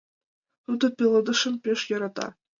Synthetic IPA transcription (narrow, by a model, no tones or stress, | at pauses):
t̪ud̪ɤ̆pʲelˠɤ̆d̪ɤ̆ʂɤ̆mpʲeʂjɤ̆ɾɑt̪ɑ̰